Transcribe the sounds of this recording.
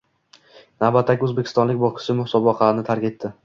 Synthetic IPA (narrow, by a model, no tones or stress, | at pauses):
nawbat̪ːakʲɵzbekʰʲɪ̥st̪ɒnlɪk̚ʲbɒskʰɪ̥sɪmʊhsɒbɒqʰlaɾɪnɪt̪ʰaɾkʲet̪ʰːɪ